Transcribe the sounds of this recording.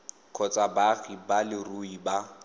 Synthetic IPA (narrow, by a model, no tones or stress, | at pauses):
kʰɔt͡sʼabaɣibalɪruiba